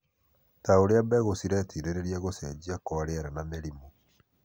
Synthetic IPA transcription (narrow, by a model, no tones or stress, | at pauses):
taoɾeabɛɣosiɾɛtiɾeɾeɾiaɣosɛd͡ʒiakɔɾeaɾanameɾimo